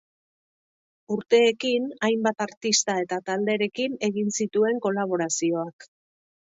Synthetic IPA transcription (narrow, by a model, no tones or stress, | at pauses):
uɾt̪e̞ːkinajmbat̪aɾt̪ist̪ae̞t̪at̪ald̪e̞ɾe̞kine̞ɣinsit̪ue̞ŋko̞laβ̞o̞ɾasio̞ak